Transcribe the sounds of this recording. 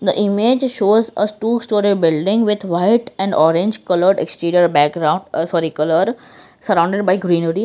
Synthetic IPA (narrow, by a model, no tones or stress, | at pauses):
d̪əʔɪmed͡ʒʃoːzə̰ʈuːsʈɔːɾibɪlɖɪ̃ŋɡʋɪd̪ʋaɪʈɛ̃ɳɖɔːɾẽɲd͡ʒkʌləɾɖeksʈẽːɾiəɾbɛk̚ɡɾãʊ̃ɳɖsɔːɾikʌləɾ | səɾãʊ̃ɳɖeɖbaɪɡɾĩːnəɾi